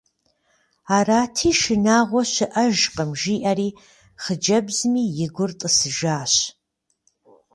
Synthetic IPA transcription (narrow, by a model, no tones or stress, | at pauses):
aːraːtʰiːʃɨnaːʁʷɔʃʷɨʔɐʒqʼɐmʒiːʔaɾiː | χəd͡ʒɐbzmiːjɪɡʷʊrtʼəsɨʒaːʃ